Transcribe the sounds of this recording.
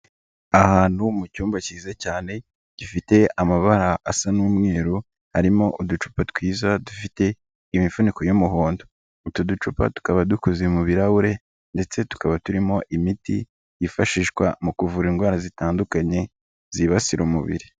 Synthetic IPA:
ahaːn̥humucuːmbaciːzacaːne̞ | ɟ̥ifite̞ʔamaβaɾaʔːsanuːmŋe̞ːɾu | haɾimo̞ʔudut͡ʃu̥patwiːzadufite̞ | imifunikojomuɦoːndo | utudut͡ʃupa̰tu̥kaβadukuzemuβiɾawuɾe̞ | nde̞t͡se̞tu̥kaβatuɾimo̞ʔimitḭ | jifaʃiːʃkwa̰mukuvuɾiŋɡwaːɾazitaːndukaɲe̞ | z̥iβasiɾʔomṵβḭɾi

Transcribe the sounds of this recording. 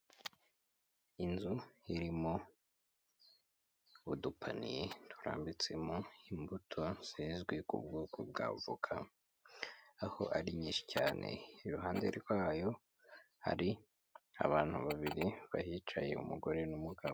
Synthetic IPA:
inzuiɾimo | udupʰa̰nijetu̥ɾa̰ːmbit͡se̞moimbutʰo̞siːnzɡwekṵb̚ɡoːkʰo̰b̚ɡa̰ːvukʰa | aho̞̰ʔaɾiɲiːʃi̥caːnʔe̞̰iɾuɦaːndeɾiɾɡwaːjo̞ | ha̰ɾi | a̰βaːn̥hṵβaβiɾiβahit͡ʃaje̞̰ṵmuɡo̞ɾe̞numuɡaβo

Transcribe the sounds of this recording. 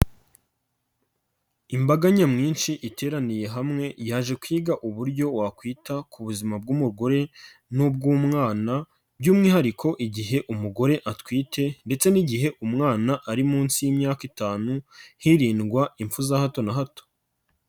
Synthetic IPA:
imbaɡaɲamŋiːnʃiʔitʰe̞ːɾanije̞ɦamŋe̞jaːʒe̞kwiːɡaʔuβuɾɟo̞wakwiːtakʰuβuzimab̚ɡumuɾɡo̞ɾe̞ | nub̚ɡuːmŋaːna | bɟuːmŋiːhaɾikʰo̞ʔiɟiɦe̞ʔumuɡo̞ɾe̞ʔatwiːte̞nde̞t͡se̞niɟiɦe̞ʔumŋaːnaʔaɾimuːnsijimɲaːkitaːnuhiɾiːnɡwaiɱfuzahato̞naɦato̥

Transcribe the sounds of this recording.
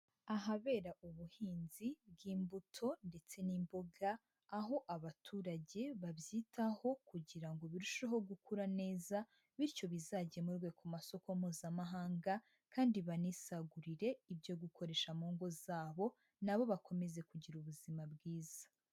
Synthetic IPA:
aɦaβe̞ːɾaʔuβuhiːnzibɡiːmbutʰo̞nde̞t͡se̞nimbo̞ɡaː | ɦo̞ʔaβatʰuːɾaɟe̞βabjiːtʰaho̞kuɟiɾaŋɡo̞βiɾuʃeɦo̞ɡukuɾane̞ːza | βiɾco̞βizaɟemuɾɡwe̞kʰumaso̞koum̥huːzamaɦaːŋɡa | kaːndiβaniːsaɡuɾiɾe̞ibjo̞ɡukʰo̞ɾe̞ʃamuːŋɡo̞zaːβo̞ | naβo̞βakʰo̞me̞ze̞kuɟiɾuβuzimabɡiːz̥ḁ

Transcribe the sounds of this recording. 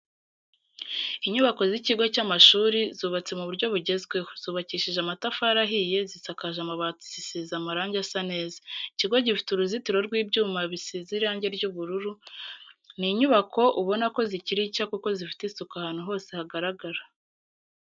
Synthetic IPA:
iɲuβako̞ziciɡo̞camaʃuːɾizuːβat͡se̞muβuɾɟo̞βuɟe̞zɡwe̞z̥uːβaciːʃiʒamatafaɾaɦije̞zisakaʒamaβatu̥zisizamaɾaːɲɟasane̞ːzḁiciɡo̞ɟifi̥tuɾuzitiɾo̞ɾɡwiːbɟuːmaβisiziɾaːɲɟe̞ɾɟuβuɾuɾu | niɲuβakʰo̞ʔuβo̞nako̞ziciɾicakuko̞zifi̥tisukahaːn̥uɦo̞ːse̞haɡaɾaɡaɾa

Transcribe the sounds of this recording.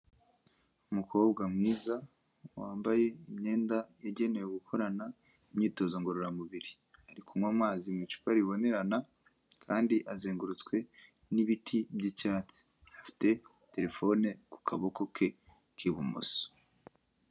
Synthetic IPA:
umukʰo̞ːbɡamŋiːza | waːmbaje̞imɲe̞ːndajeɟe̞ne̞joɡukʰo̞ɾana | imɲiːto̞zoŋɡo̞ɾoɾamuβiɾi | haɾikumŋwaːmaːzimit͡ʃu̥paɾiβo̞ne̞ɾana | kʰaːndiʔazeːŋɡuɾut͡skwe̞ | niβitʰibɟicaːt͡si̥ | afi̥te̞ | te̞ɾe̞fo̞neku̥kʰaβoko̞kʰe̞ | kʰiβṵmo̰so̥

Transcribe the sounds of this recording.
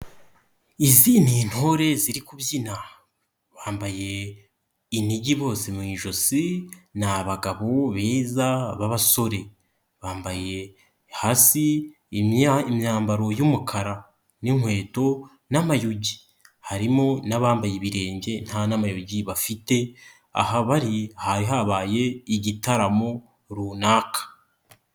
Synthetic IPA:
iziːnin̥ho̞ɾe̞ziɾikuβzina | βaːmbaje̞ | iniɟiβo̞ːsemwiʒo̞sinaβaɡaβo̞βeːzaβaβaso̞ɾe̞ | βaːmbaje̞ | haːsi | imɲaːmbaɾo̞jumukʰaɾa | niŋwe̞ːto̞ | namajuɟi | haɾimonaβaːmbajeβiɾe̞ːɲɟe̞n̥hanamajuɟiβafite̞ | a̰ɦaβaɾihaɾiɦaβaːje̞iɟitaɾamo | ɾuːnaːkʰḁ

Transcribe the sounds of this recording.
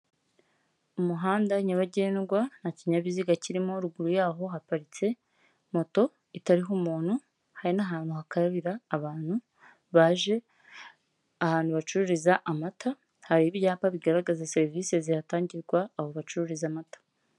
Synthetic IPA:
umuɦaːndaɲaβaɟeːnɡwanaciɲaβiziɡaciɾimo̞ɾuɡuɾujaːɦo̞ɦapaɾit͡se̞ | mo̞to̞ | itaɾiɦumuːn̥hu | haɾinaɦaːnhuhakaɾaβiɾaːβaːn̥hu | βaʒe̞ | ahaːnhuβat͡ʃuɾuɾizaʔamatʰa | haɾiβjaːpaβiɡaɾaɡazase̞ɾivise̞ziɾataːɲɟiɾɡwaːβoβat͡ʃuɾuɾizamatḁ

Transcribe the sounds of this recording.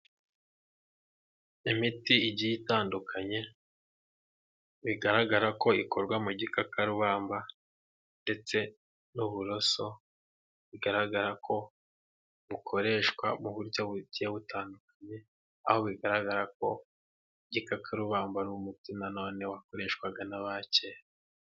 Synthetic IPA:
imitiiɟijitaːndukʰaɲe̞ | βiɡaɾaɡaɾako̞ikʰoɾɡwamuɟikakaɾuβaːmba | nde̞t͡se̞ | nuβuɾo̞so̞ | βiɡaɾaɡaɾakʰo̞ | βukʰo̞ɾe̞ʃkwa̰muβuɾɟoβuɟijeβutaːndukḁɲe̞ | a̰ho̞βiɡaɾaɡaɾako̞ | ɟikakʰaɾuβaːmbaɾumutinano̞ːne̞wako̞ɾe̞ːʃkwaɡanaβace

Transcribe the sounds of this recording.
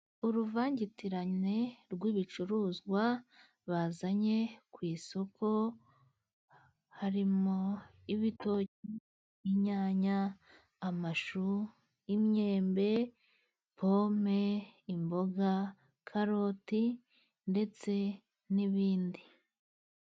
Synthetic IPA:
uɾuvaːɲɟitiɾaɲe̞ɾɡwiːβit͡ʃuɾuzɡwa | βazaɲe̞kwiːso̞kʰo̞ | haɾimo | iβito̞ci | iɲaːɲaː | maʃu | imɲe̞ːmbe̞ | po̞me̞imbo̞ɡa | kʰaɾo̞ti | nde̞t͡se̞ | niβiːndi

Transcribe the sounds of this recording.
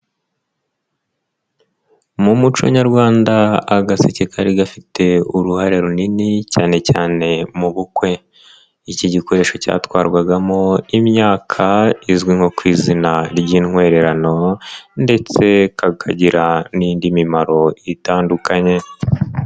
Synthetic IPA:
mumut͡ʃo̰ɲaɾɡwaːndaːɡase̞cekʰaɾiɡafitʰe̞uɾuhaɾe̞ɾuninicaːne̞caːne̞muβukwe̞ | iciɟiko̞ɾe̞ːʃo̞ca̰ːtwaːɾɡwaɡamo̞imɲaːkʰaizɡwiŋho̞kwiːzinaɾɟiːnŋwe̞ːɾe̞ɾano̞nde̞t͡se̞kakʰaɟiɾaniːndimimaɾo̞itaːndukʰaɲe̞

